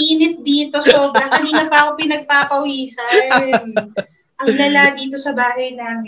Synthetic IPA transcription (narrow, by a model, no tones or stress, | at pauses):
iːnɪt̪̚d̪iːt̪o̞so̞ːbɾɐkɐniːnɐpɐʔɐkopɪnɐɡ̚paːpɐʔʊiːsɐn | ʔɐlɐlad̪iːt̪osɐbaːɦɐjnaŋ